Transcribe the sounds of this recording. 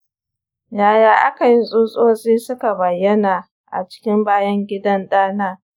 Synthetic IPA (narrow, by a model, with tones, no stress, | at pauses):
jaː˦jaː˦ʔa̰˦ka˨jɪ˦nsʼuː˦sʼoː˦sʼiː˦sʊ˦ka˨bɐ˨jːɐ˦naː˨ | ʔa̰˨t͡ʃɪ̥˦kʲɪ˦mbaː˦jɐ˦ŋɡʲɪ˦dɐ˦nɗaː˦naː˦